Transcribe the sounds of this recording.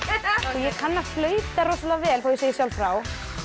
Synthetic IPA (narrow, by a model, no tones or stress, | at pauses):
ɔjɛkʰanːaflœːɥt̪aɾrosalavɛlfawjɛseːjɪsjawlfɾaw